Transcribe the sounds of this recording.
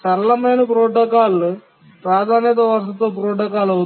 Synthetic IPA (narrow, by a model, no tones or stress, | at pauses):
sɐɾɐlɐmeːnpɾoːʈːɐkaːl | pɾaːd̪ʱaːnɐt̪ɐʋɐɾsɐt̪ːoːpɾoːʈɐkaːlɐ